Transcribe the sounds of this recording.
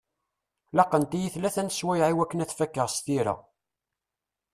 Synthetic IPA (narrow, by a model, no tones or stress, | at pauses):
lɑqːənt̪ijiθlæθænt̪əswæjʕiwækːənæθfækːəʁst̪iɾæ̰